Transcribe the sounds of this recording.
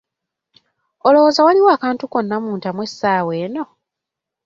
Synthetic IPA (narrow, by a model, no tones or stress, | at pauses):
olo̞wozawaliwoːkaːntuko̞nːamuːntamwe̞sːaːwe̞ːno̞